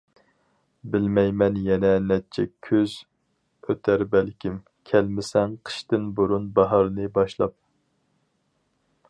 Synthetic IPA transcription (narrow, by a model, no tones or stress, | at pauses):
bɪlmɛjmɛnjɛnɛnɛt͡ʃʰɛkʲʰøz | øt̪ʰæɾbælkʲim | kʲʰælmɪsɛŋqʰə̥ʃt̪ɨnbuɾunbɑɦɑɾnɨbɑʃlˠɑp̚